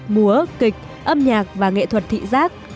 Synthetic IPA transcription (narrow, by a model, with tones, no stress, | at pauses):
mu˨˦əkï˨˩k̚ | ʔə˧mɲaː˨˩k̚vaː˨˩ŋḛ˧˨t̪ʰwə˨˩t̚t̪ʰḭ˧˨zaː˦˥k̚